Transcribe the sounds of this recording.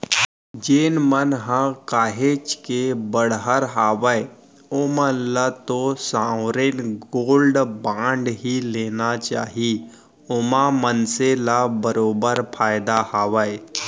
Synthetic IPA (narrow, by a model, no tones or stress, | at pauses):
d͡ʒeːnmənɦãkaːɦeːt͡ʃkebəɽɦəɾɦaːʋəe | ʊmənlat̪osãːwɾeːnɡoːlɖbãːɳɖɦileːnat͡ʃaːɦi | ʊmamənselabəɾoːbəɾpʰaːɪd̪ahaːʋəe